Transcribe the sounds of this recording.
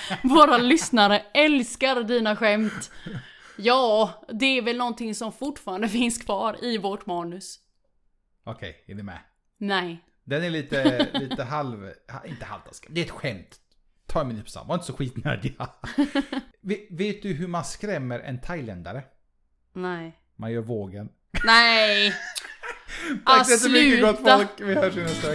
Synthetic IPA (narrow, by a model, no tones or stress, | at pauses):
voːɾalʏsnaɾəɛlskaɾd̪iːnaɧɛmt̪ | jɑːd̪ɛːɾvɛlnɔnt̪ɪŋsɔmfʊʈfɑːɾand̪əfɪnskʰvɑːɾɪvɔʈmɑːnɵs | ɔkʰɛ̰jɛnɪmɛ̰ | nɛj | d̪ɛnæɭiːt̪əliːəɦalvhaɪnt̪əha̰lt̪ʰa̰skɛmd̪ɛɾɛt̪ɧɛmt̪ | t̪ʰːɑːɾɛmɪnʉt̪pʰɔ̥sa̰mvaɾɪnt̪əsɔɧiːt̪nœ̰d̪a | vveːt̪̚d̪ɵɦɵmanskɾɛmːəɾʔɛ̰nt̪ʰajlɛnd̪aɾə | nɛ | manjœːɾvoːɡən | nɛ | fsɪəmʏəɡɔt̪ːfɔlkvɪhɑːʂiːnəst̪ø